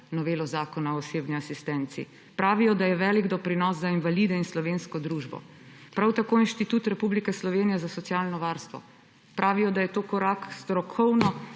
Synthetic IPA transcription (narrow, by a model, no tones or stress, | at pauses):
nɔʋeːlɔzaːkɔnaɔːseːbniasist̪ɛnt̪sḭ | pɾaːʋijɔd̪ajɛʋɛliɡd̪ɔpɾinɔszainʋaliːd̪ɛinslɔʋeːnskɔd̪ɾuʒbɔ̰ | pɾawt̪akoːinʃt̪it̪uːt̪ɾɛpublikɛslɔʋeːnijɛzasɔt̪siaːlnɔʋaːɾst̪ʋɔ̰ | pɾʔaːʋijɔd̪ajɛt̪oːkɔɾakst̪ɾɔkʰɔwnɔ